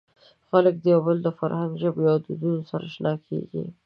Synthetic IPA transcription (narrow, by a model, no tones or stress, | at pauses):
xalək̚d̪əjawbəld̪əfaɾhaŋɡʒəbjɑd̪ud̪unosaɾa̰ʃnɑkʰḛɡḭ